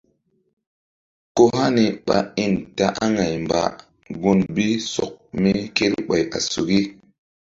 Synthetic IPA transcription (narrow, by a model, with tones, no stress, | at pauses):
ko˦ɦa˦ni˨ɓa̰˨i˦˨nta˨ʔa˦ŋa˨jmba̰˨ | ɡu˦nbi˦sɔ̰˨k̚mi˦ke˦lɓa˨ja̰˨su˨ɡi˦